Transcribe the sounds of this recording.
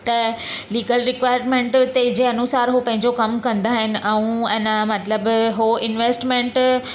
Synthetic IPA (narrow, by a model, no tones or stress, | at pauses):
t̪ɐliːɡəlɾɪkʋaːɪəɾmẽːɳʈt̪ed͡ʑeːɐnusaːɾɦopɐ̃ɦɪ̃ɲd͡ʑokɐmkɐ̃nd̪aɦɪnɪ̆ʔɛ̃ũɛ̃ːnəmɐt̪ləbɦoɪnʋeːsʈmẽːɳʈ